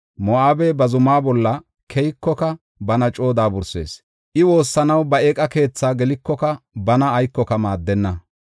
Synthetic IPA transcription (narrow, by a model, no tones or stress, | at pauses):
mɔaːbebɐzʊmaːbɔlːɐ | kʰɛjkːɔkɐ | bɐnɐt͡ʃʼo̞ːd̪aːbʊɾse̞̰ːs | ʔɪwo̞ːsːɐnɐwbɐeːkʼɐke̞ːt͡sːaːɡɛlɪkːɔkɐbɐnɐːjkːɔkɐmaːd̪ːɛnːɐ